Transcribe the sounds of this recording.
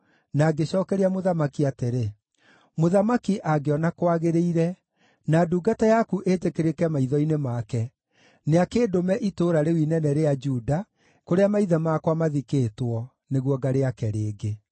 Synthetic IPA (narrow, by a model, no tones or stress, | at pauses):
naɡeɕɔːkɛɾeamoðamakiateɾe | moðamakiʔaɡeɔnakwaɣeɾeiɾɛ | naduːɡatajakuʔetekeɾekɛmaiðɔinemakɛ | neakeːdomɛʔitoːɾaɾewinɛnɛɾead͡ʒuda | koɾeamaiðɛmakwamaðikeːtwɔ | neɣwɔɡaɾeakɛɾeːɡe